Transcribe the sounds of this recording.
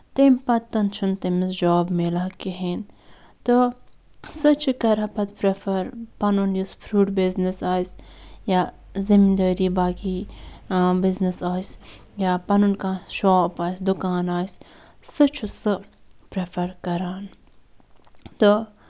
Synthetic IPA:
t̪eːmpɐt̪t̪ːɐnt͡ʃʰunt̪emisd͡ʒoːbmelaːkiɦeːn | t̪ɨ | sɨt͡ʃʰɨkɐɾɐpɐt̪pɾefʰɐɾpɐnunjuspʰɾuːɖbiznisaːsja | zimd̪ɐɾiːbaːkiː | biznisaːs | jaːpɐnunkaːʃoːpaːjsd̪ukaːnaːs | sɨt͡ʃʰusɨpɾefʰɐɾkɐɾaːn | t̪ɨ

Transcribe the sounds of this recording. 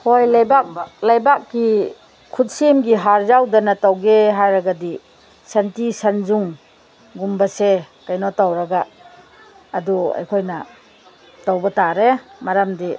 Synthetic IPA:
hojlajbak̚balajbak̚ːi | kʰutsemɡiɦaɾzawdɐnatawɡeɦajɾaɡadi | santisanzuŋ | ɡumbɐse | kajnɔtawɾaɡaː | dua̰jkʰojnɐ | tawbɐtaɾemaɾamdi

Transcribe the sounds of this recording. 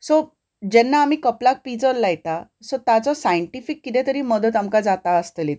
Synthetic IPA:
so | d͡ʑɛnːaːm̤iːkəplak̚pid͡zəlːajt̪a | sɔt̪jat͡sɔsajəɳʈifikːit̪ɛ̃t̪əɾiːməd̪ət̪amkad͡zat̪aəst̪əlit̪

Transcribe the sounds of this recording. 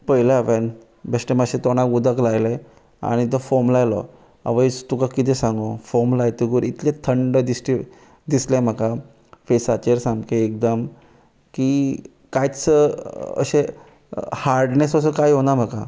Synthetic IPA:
pəɦilaʋen | besʈeməɕẽt̪oñakud̪əklajle | a̰ɽ̃it̪̬əfomlajlɔ̰ | a̰ʋəjt̪ukakit̪̬esãŋɡofomlajt̪iɡuɾit̪ʰlẽt̪ʰəɳɖəd̪isʈi | d̪islẽm̤aka | fesat͡ɕeɾsãŋkeːk̚d̪əm | ki | kajt͡səə̰ɕe | haɾɖnesos̬əkajɦonam̤aka

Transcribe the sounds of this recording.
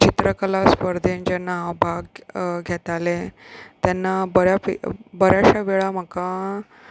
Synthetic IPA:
t͡ɕit̪ɾəkəlaspəɾd̪ʱend͡ʑenaɦabʱaɡɡʱɛt̪alet̪janːabəɾjafḭbəɾjaɕaʋeɭam̤əka

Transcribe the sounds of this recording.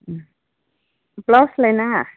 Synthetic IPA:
plɔsləjna

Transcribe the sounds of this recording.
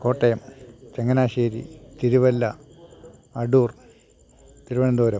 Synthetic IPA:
ko̞ːʈːɐjɐmt͡ɕeŋːɐnaːɕeːɾḭt̪iɾuʋɐlːɐ | ɐɖuːr | t̪iɾuʋɐɳɐnd̪oːɾɐm

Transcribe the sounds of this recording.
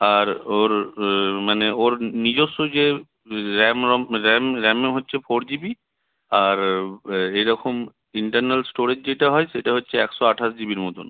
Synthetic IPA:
aɹoɹmanɛoɹnid͡ʑɔsozɛ | ɹɛmɔmɹɛmɹɛmeɦotːsʰɛpʰɔɹzibi | aɹ | ejɹɔkʰɔm | iɳʈanalsʈoɹed͡ʒzejʈaɦɔjsejtaɦotːsʰɛɛksɔaʈʰas̬d͡ʒibiɹmɔt̪ɔ̰n

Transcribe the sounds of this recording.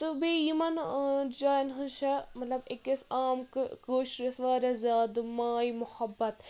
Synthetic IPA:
t̪ɨbeːjimɐnd͡ʒaːinɦɨnʃɐmɐt̪lɐbekɐsaːmkɨkoːʃɾɐsʋaːɾʲɐzjaːd̪ɨmaːjmʊhɐbːɐt̪

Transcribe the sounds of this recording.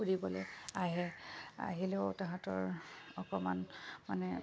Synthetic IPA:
uɹibɔlɛaɦɛa̰ɦilɛʊtaɦãtɔɹɔkɔmanmanɛ

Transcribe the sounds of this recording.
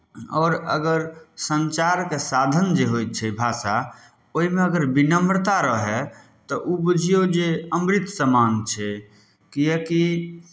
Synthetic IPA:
ɔ̰ːɾə̰ɡəɾsənt͡ʃaɾkesad̪ʱənd͡ʒeɦot͡ʃʰɛbʱasa | oɦimeəɡəɾbinəmɾt̪aɾəɦɛ | t̪ɔʔubud͡ʒʱijod͡ʒeəmɾit̪səmant͡ʃʰɛ | kiɛki

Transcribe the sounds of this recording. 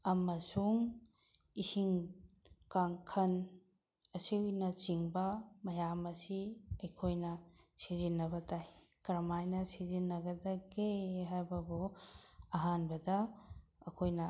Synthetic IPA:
ɐmɐsuŋ | isiŋ | kaŋkʰɐn | ɐsiujnɐt͡ʃiŋbɐmɐjamɐsiɐjkʰojnɐsizinːɐbɐtajkɾɐmajnɐsizinːɐɡɐdɐɡeɦajbɐbu | ɐɦanbɐdɐː | kʰojnɐ

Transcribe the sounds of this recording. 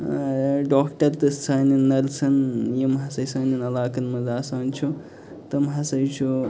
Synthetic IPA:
ɖoːkʈɐɾt̪ɨst͡sʰaːninːɐlt͡sʰɐnjimɦɐsɐjsaːninɐlaːkɐnmɐzaːsaːnt͡ʃʰu | t̪ɐmɦɐsɐjt͡ʃʰu

